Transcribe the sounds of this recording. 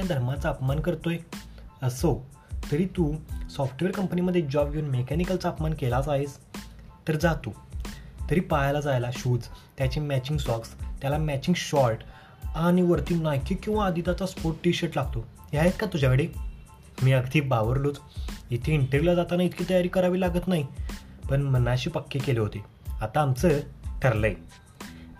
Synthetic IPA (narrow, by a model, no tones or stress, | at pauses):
ad̪ʱəɾmat͡saəpmankəɾt̪ojəso | t̪əɾiːt̪usɔfʈʋeɾkəmpəniməd̪ʱːjed͡ʑɔbjonmekɛnikəlt͡saəpmankelasaɦes | t̪əɾd͡zat̪ut̪əɾiːpajlad͡zajlaɕuːd͡zt̪jat͡ɕemæt͡ɕiŋɡsɔkst̪jalamæt͡ɕiŋɡɕɔɾʈ | aɽ̃iʋəɾt̪iːnajkikːĩʋaːd̪ʱiːt̪at͡saspoɾʈʈiɕəʈlaɡ̚t̪o | jajet̪kat̪ud͡ʑʱakəɽe | miːəɡt̪ʰiːbaʋəɾlot͡sit̪ʰeiɳʈəɾilad͡zat̪anait̪ʰkʰiːt̪əjaɾiːkəɾaʋiːlaɡət̪naɦipəɳm̤ənːaɕiːpəkːekeleɦot̪e | at̪aːmt͡sət̪ʰəɾləj